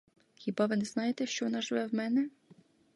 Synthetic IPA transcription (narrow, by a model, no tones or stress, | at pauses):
xʲibɑʋɪnɛznɑjet̪ɛʃt͡ʃɔʋɔnɑʒɪʋɛwmɛnɛ